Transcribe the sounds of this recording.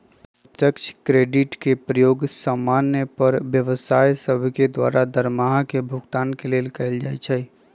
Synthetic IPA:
t̪əkt͡ʃʰkɾeːɖɪʈkepɾəjoːɡsəmːaːnjəpəɾʋjəʋsaːjsəbʱked̪wa̰ːɾad̪əɾmaɦkebʱʊɡt̪aːnkeleːlkəɪld͡ʒajt͡ʃʰɛ

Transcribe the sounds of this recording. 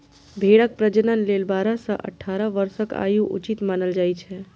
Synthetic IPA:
bʱeɽək̚pɾəd͡ʒənənlelbaɾə̃sə̰̃ʔə̰ʈʰːaɾəʋəɾsəka̰juʔṵt͡ʃit̪manəld͡ʒajt͡ʃʰɛ

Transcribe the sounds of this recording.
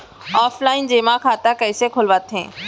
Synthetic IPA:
aːflaːɪnd͡ʑeːmãkʰaːt̪akɐɪsekʰʊlʋat̪ʰɦḛ̃ː

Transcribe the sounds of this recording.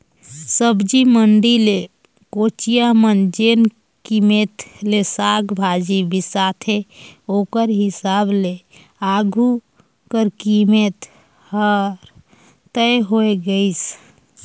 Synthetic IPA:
səbd͡ʒiməɳɖile | kot͡ʃijamənd͡ʒen | kimet̪lesaːɡbʱad͡ʒibʱisat̪ʰeokəɾɦɪsaːble | aɡʱu | kəɾkimet̪ | həɾ | t̪əeɦoeɡəis

